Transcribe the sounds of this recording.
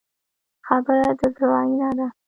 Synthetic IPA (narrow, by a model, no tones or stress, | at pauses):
xabəɾad̪əd̪wɑjinad̪a